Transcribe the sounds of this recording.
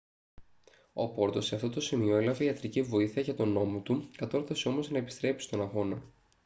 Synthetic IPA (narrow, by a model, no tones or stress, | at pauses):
o̞̰po̞ɾt̪o̞se̞ɐft̪ot̪o̞simio̞elɐve̞iɐt̪ɾicivo̞iθiɐʝɐt̪o̞no̞mo̞t̪ukɐt̪o̞ɾθɐseo̞mo̞znɐepi̥st̪ɾe̞psi̥t̪o̞nɐɣo̞nɐ